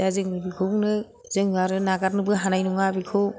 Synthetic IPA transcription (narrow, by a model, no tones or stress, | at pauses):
azɯŋnɯbikʰɯnɯ | zɯŋaɾɯnaɡat̚nɯbɯɦanajnuŋabikʰɯ